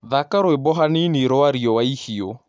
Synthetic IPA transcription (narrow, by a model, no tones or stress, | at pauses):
ðakaɾoebɔɦaniniɾoaɾiɔwaihio